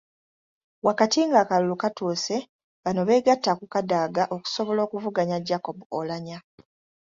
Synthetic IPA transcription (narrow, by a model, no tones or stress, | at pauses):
wakatiŋɡaːkalulukatuːse̞ | βano̞βe̞ːɡatːakukadaːɡaʔo̞ku̥so̞βo̞lo̞ːkuvuɡaɲaɟako̞buolaɲa